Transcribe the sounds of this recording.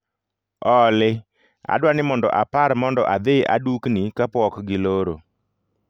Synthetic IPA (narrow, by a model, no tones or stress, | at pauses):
ɔlɪ | a̰dwanɪmɔndɔ̰ʔapaɾmɔndɔʔad̪eʔa̰duknikapɔkɡɪloɾo